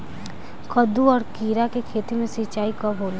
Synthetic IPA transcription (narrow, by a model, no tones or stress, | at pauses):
kəd̪uɔːɾkiːɾakekʰeːt̪imẽsit͡ʃaːikɔbʱoːl